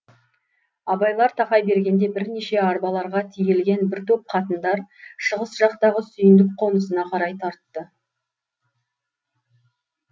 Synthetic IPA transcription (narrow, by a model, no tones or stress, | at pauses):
ɑbɑjlˠɑɾt̪ʰɑqɑjbe̞ɾɡʲe̞nd̪e̞bɪɾne̞ʃe̞ɑɾbɑlˠɑɾʁɑt̪ʰijelɡʲe̞nbɪɾt̪ʰop̚qʰɑt̪ənd̪ɑɾʃəʁəsʒ̥ɑqt̪ɑʁəsʏjɪnd̪ɪk̚qʰo̞nəsənɑqʰɑɾɑjt̪ʰɑɾt̪ːə